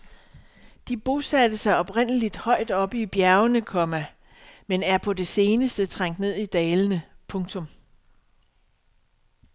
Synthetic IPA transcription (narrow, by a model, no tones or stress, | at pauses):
d̥ib̥o̝sæd̥əsɑ̈ɪɒ̽b̥ʁen̰əlid̥hɒ̽ɪ̰d̥ɒ̽b̥ib̥jæɐʊnəkʰɒ̽mæ | menæɐpʰɒ̽de̝se̝ːnəsd̥ət͡sʰʁɑ̈ŋ̰d̥ne̝ð̞̰ˠid̥ɛːlənəpʰɔ̽ŋt͡sʰɔ̽m